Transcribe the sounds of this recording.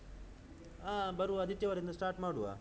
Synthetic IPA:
aːbɐɾuɐd̪iʈːjɐʋɐɾɐind̪ɐsʈaːɾʈmaːɽuʋa̰ː

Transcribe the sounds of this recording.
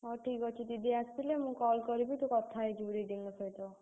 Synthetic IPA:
ɔʈʰikɔt͡ʃʰid̪id̪iast̪ilemũkɔlkɔɾibit̪ukɔt̪ʰaed͡ʒuɾiɖ̪iŋɔsɔjt̪o

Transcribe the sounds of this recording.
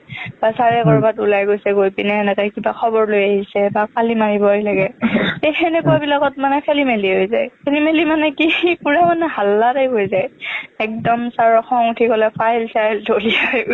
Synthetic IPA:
b̥asaɹɛkɔɹbatulajɡojsɛɡojpinɛːnɛkajkibaxʰɔbɔɹlojaɦisɛbapalimaɹibɔajlaɡɛejxɛnɛkuabilakɔt̚manɛkʰelimeliɦojzajkʰelimelimanɛkipuɹamanɛɦalːatejɡojzajɛk̚dɔmsaɹɔxɔŋutʰikɔlɛpʰajlsajltolia

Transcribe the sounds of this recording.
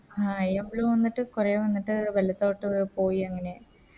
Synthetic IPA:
aːjɐmbɭuːʋɐnːiʈːɨkureːʋɐnːiʈːɨʋɐlɐt̪ːo̞ːʈːɨpo̞ːjiɐŋːɐne̞

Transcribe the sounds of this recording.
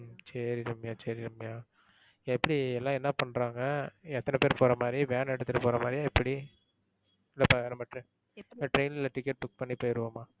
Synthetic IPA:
sɐɾɪɾɯmɐjaːt͡ʃɐɾɪɾɯmɐjaː | ɪɛpːɐɽiɛlːãːɛnːɐpɐɳːɾaːŋɡɐɛt̪ːɐnɛpeːɾpoːɾɐmaːd̪ɾibjaːnɛɽɯt̪ːɯʈːɯpoːɾɐmaːd̪ɾijaːɪpːɐɽi | ɪlːɐpɐʋeːɾɐmɐʈɾɯ̃ | ɐʈɾɐɪnɪlɐʈɪkːɛʈ̚bʊk̚pɐɳːipoːjɪɾɯʋaːmaː

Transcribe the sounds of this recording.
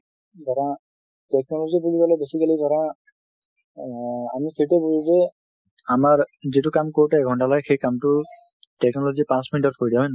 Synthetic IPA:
zɔɹa | tɛk̚nɔlɔzibuzibɔlɔjbesikalizɔɾã | a̰misetebuzuzɛ | amaɹzitʊkamkoɹutɛɛɡʱɔntalaɡɛxejkamtʊ | tɛknɔlozipãsmitɔtpʰoɹidaɦɔjna

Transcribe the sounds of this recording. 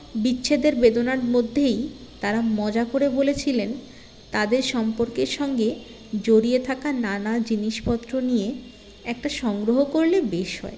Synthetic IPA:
bitːɕʰed̪eɾbed̪onaɾmod̪ʱːej | t̪aɾamɔd͡ʑakoɾebolet͡ɕʰilen | t̪ad̪eɾʃɔmpoɾkeɾʃɔŋɡe | d͡ʑoɾiet̪ʰakananad͡ʑiniʃpɔt̪ːɾonije | ɛk̚ʈaʃɔŋɡɾoɦokoɾlebeʃɦɔ̰e

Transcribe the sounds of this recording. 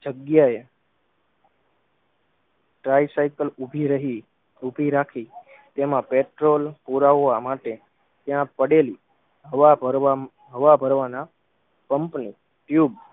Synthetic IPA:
d͡ʒəɡjae | ʈɾaisaikəlubʱiɾəɦi | ubʱiɾakʰi | t̪emãpeʈɾolpuɾaʋʋamaʈe | t̪jãpəɽeli | ɦəʋaɾ | ɦəʋabʱəɾʋana | kəmpni | ʈjub

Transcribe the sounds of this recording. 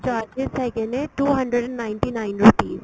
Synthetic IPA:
d͡ʒɔad͡ʒɪsɛkɛnẽʈuːɦɐ̃ɳɖɾəɖɛ̃nːaɪ̃nʈinaɪ̃nɾuːpiːz

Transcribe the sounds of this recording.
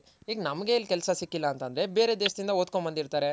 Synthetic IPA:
ɦiːɡnɐmɡe̞ilːkɛlsɐsikːilːɐːnt̪ɐnd̪ɾe̞be̞ːɾe̞ːd̪eːʃd̪ind̪ɐoːd̪kombɐnd̪iɾt̪aːɾe̞

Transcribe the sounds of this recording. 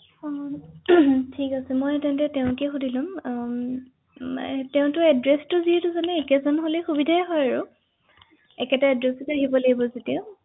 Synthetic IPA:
tʰikasɛmɔjtɛntɛteʊ̃kexudʱilʊm | teʊ̃tʊɛdɹɛstʊziɛtʊzanɛːkɛzɔnɦolɛxubidʱaɛɦɔjaɹʊ | ɛkɛtaɛdɹɛstaɦibɔlaɡibɔzetiʊ̃

